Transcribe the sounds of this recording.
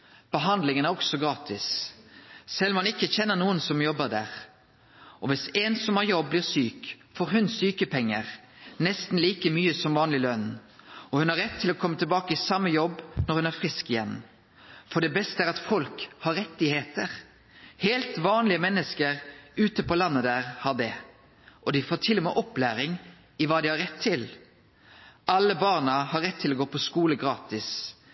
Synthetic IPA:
b̥əɦɑnd̪lɪŋənæɾɔɡsɔɡɾɑːt̪ʰɪs | sɛlːmhɑnɪkːəçɛnːənuːənsɔmjɔbːəɾd̪æ̰ːʁ | ʔɔʋɪseːnsɔmɑɾjɔbːliːʁsyːk | foːɾɦʉnsyːkəpʰɛŋːəʁ | nɛst̪n̩liːkəmyːəsɔmʋɑːnlɪlœnɔhʉnɑɾɛt̪ʰːɪlɔkʰɔmːət̪ʰɪlbɑːkəɪsɑmːəjɔbːnɔɾhʉnæʁfʁɪskɪjɛ̰n | fɔɖ̪ɛbɛst̪əæːɾɑt̪fɔlkhɑɾːɛt̪ːɪheːt̪əʁ | heːlt̪ʋɑːnlɪəmɛnːəskəɾʉːt̪əpɔlɑnːəd̪æːʁhɑd̪ɛ | ʔɔd̪ɪfoːʈʰɪlːʊmɛʔɔplæːɾɪŋ | ɪʋɑːd̪ɪhɑɾɛt̪ʰːɪl | ʔɑlːəbɑʁnəhɑɾːɛt̪ʰːɪlɔɡoːpʰɔskuːləɡɾɑːt̪ɪs

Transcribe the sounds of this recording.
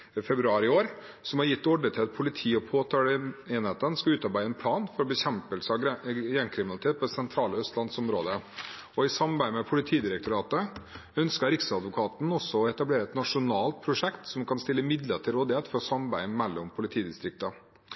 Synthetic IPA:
fɛbɾʉɑːɾɪoːɾ | sɔmhɑɾjɪt̪ːɔɖət̪ʰɪlɑt̪̚pʰʊlɪt̪ʰiːɔpʰoːt̪ʰɑːləeːnheːt̪ənskɑʉːt̪ɑɾbæɪəɛnpʰlɑːnfɔɾɔbɛçɛmpəlsəɑjɛŋkʰɾɪmɪnlɪt̪ʰeːt̪̚pʰɔd̪ɛsɛnt̪ʰɾɑːləœst̪lɑnsɔmɾoːd̪ə | ɔɪsɑmɾbæɪmɛpʰʊlɪt̪ʰiːd̪ɪɾək̚t̪ʊɾɑːt̪əœnskəɾɪksəɑd̪ʋʊkʰɑːt̪n̩ɔsːɔɔɛt̪ɑbleːɾəɛt̪nɑʂʊnɑːlt̪̚pʰɾʊʂɛkt̪sɔmkʰɑnst̪ɪlːəmɪd̪lət̪ʰɪlɾoːd̪ɪheːt̪fɔɾɔsɑmɑbæɪmɛlːɔmpʰʊlɪt̪ʰiːd̪ɪst̪ɾɪk̚t̪ə

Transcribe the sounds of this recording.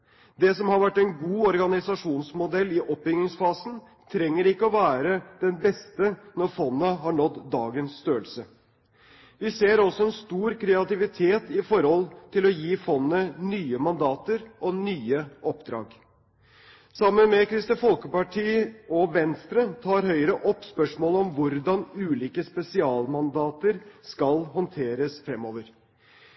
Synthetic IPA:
d̪ɛsɔmhɑɾʋæʈːæɪnɡuːɔɾɡɑnɪsɑʂuːnsmʊd̪ɛlːɪʔɔpːɪŋːɪŋsfɑːsn̩ | t̪ʰɾɛŋːəɾɪkːəɔʋæːɾəd̪̥ɛnbɛst̪ənɔɾfɔnːəɦɑɳɔt̪d̪ɑ̰ːɡənsst̪øːəlsə | ʋɪseːɾɔsɔɛnst̪uːɾkʰɾɛɑt̪ɪʋɪt̪ʰeːt̪ɪfɔɾhɔlt̪ʰɪlɔjiːfɔnːənyːəmɑnd̪ɑːt̪əɾʔɔnyːəʔɔpd̪ɾɑ̰ːɡ | sɑmːənmɛkʰɾɪst̪əfɔlkəpɑʈʰiːɔʋɛnst̪ɾət̪ʰɑːɾhœʏɾəʔɔpːspœʂmoːləɔmʋʊɾd̪ɑnʉːliːkəspɛsɪɑːlmɑnd̪ɑːt̪əɾskɑlhɔnt̪ʰeːɾəsfɾɛmːoːʋəɾ

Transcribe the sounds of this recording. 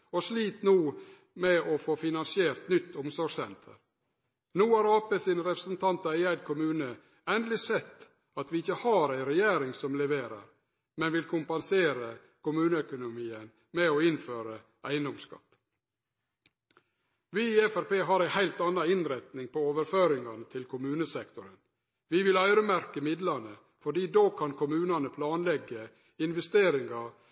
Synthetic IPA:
ɔʂliːt̪nuː | mɛɔfoːfɪnɑnsɪeːɾt̪nʏt̪ːʊmsɔɾɡsɛ̰nt̪ʰə̰ɾ | nuːɑɾɑːpəsiːnəɾɛpɾəsn̩t̪ʰɑnt̪ɑɪæɪd̪kʰʊmʉːnə | ɛnd̪lɪsɛt̪ː | ɑt̪ʋɪɪçəhɑːɾæɪɾɛjeːɾɪŋsɔmlɛʋeːɾə̰ɾ | mɛnʋɪlkʰʊmpɑnseːɾə | kʊmʉːnəœkʊnʊmiːən | mɛoːɪnføːɾə | ʔæɪənd̪ɔmskɑ̰t̪ː | ʋɪiːɛfæɾpeːɦɑɾæɪhæɪlt̪ɑnːɑɪnɾɛt̪nɪŋpɔoːʋəɾføːɾɪŋɑnət̪ʰɪlkʰʊmʉːnəsɛkt̪ʊɾən | ʋɪʋɪlœʏɾəmæɾkəmɪd̪lɑnə | fɔɖiːd̪oːkʰɑnkʰʊmʉːnɑnəpʰlɑːnlɛɡːə | ɪnʋɛst̪eːɾɪŋɑɾ

